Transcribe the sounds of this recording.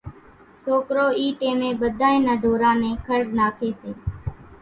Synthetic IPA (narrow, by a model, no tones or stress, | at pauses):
soːkɾoːiːʈeːmẽːɓəd̪ʱaːẽːnəːɖʱoːɾãːnẽːkʰəɽnaːkʰeːseː